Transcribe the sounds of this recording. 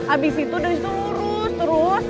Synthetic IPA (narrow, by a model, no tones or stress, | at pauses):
ʔabisit̪udost̪u | ɾʊst̪əɾʊs